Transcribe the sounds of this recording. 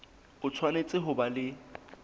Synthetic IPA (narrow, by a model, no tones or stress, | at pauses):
ʊt͡sʰwanet͡sʼɪɦʊbalɪ